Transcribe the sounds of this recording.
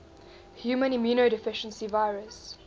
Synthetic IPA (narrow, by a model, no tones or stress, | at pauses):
hjuːmə̃nɪmjuːnodɪfɪʃə̃nsivaɪɹəs